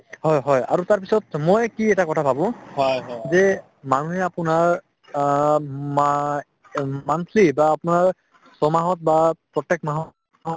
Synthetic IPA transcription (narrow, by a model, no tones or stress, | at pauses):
hɔjɦɔja̰ɹutaɹp̬isɔtmojkiɛtakɔtʰabʰʱabʊ̃ɔjɦɔjzɛ | manuɦɛapʊnaɹ | mank̪ʰlibaːpʊnaɹ | sɔmaɦɔt̚bapɹɔtɛk̚maɦɔ | ɦɔ